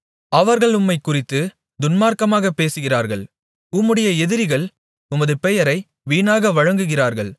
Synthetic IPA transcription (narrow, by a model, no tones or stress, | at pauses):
ɐʋɐɾɣɐɭʊmːɐɪkːʊrɪt̪ːɯ | d̪ʊnmaːɾkɐmaːɣɐpːeːsɯɣɪraːɾɣɐɭ | ʊmːɯɽɐjɐɛðɪɾɪɣɐɭ | ʊmɐðɯpɛjɐɾɐɪ | ʋiːnaːɣɐʋɐɻɐŋɡɯɣɪraːɾɣɐɭ